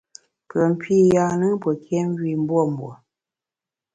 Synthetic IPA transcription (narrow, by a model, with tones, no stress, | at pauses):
pə˨m̩˨pʰi˦˨ja˦nɨ˦pwə˨kʰjɛ˦m˦ɡi˨m̩˦bwɔ˦˨m̩˨bwɔ̰˨